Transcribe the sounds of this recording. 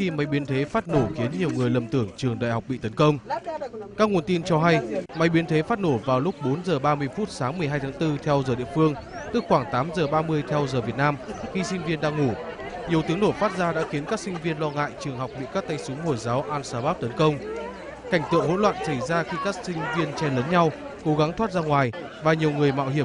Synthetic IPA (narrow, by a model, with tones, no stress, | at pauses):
xi˧ma˨˦jɓi˨˦ənt̪ʰe˨˦faː˦˥t̚no˧˩xi˨˦ənɲi˨˩əwŋɨ˨˩əjlə˨˩mt̪ɨ˧˩əŋt͡ɕɨ˨˩əŋɗa̰ː˧˨jɦa˨˩wk͡p̚ɓḭ˧˨t̪ə˨˦nkə˧wŋ͡m | kaː˦˥k̚ŋu˨˩ənt̪i˧nt͡ɕɔ˧ɦa˧jma˨˦jɓi˨˦ənt̪ʰe˨˦faː˦˥t̚no˧˩vaː˨˩wlʊ˦˥k͡p̚ɓo˨˦nzəː˨˩ɓaː˧mɨ˧əjfu˦˥t̚saː˨˦ŋmɨ˨˩əjɦaː˧jt̪ʰaː˨˦ŋt̪ɨ˧t̪ʰɛ˧wzəː˨˩ɗḭ˧˨əfɨ˧əŋ | t̪ɨ˦˥k̚xwaː˧˩ŋt̪aː˨˦mzəː˨˩ɓaː˧mɨ˧əjt̪ʰɛ˧wzəː˨˩vət̚naː˧mxi˧sï˧ŋ̟vi˧ənɗa̰ː˧ŋu˧˩ | ɲi˨˩əwt̪ɨ˨˦əŋɗo˧˩faː˦˥t̚zaː˧ɗa̰ː˧˥xi˨˦ənkaː˦˥k̚sï˧ŋ̟vi˧ənlɔ˧ŋa̰ː˧˨jt͡ɕɨ˨˩əŋɦa˨˩wk͡p̚ɓḭ˧˨kaː˦˥k̚t̪a˧jsʊ˨˦ŋ͡mho˧˩jzaː˨˦wʔaː˧nsaː˧ɓaː˦˥p̚t̪ə˨˦nkə˧wŋ͡m | ka˧˩jŋ̟t̪ɨ̰˧˨əŋɦo̰˧˥nlwa̰ː˧˨nsa˧˩jzaː˧xi˧kaː˦˥k̚sï˧ŋ̟vi˧ənt͡ɕɛ˧ləː˨˦nɲa˧w | ko˨˦ɣa˨˦ŋt̪ʰwaː˦˥t̚zaː˧ŋwaː˨˩j | vaː˨˩ɲi˨˩əwŋɨ˨˩əjma̰˧˨wɦi˧˩ə˨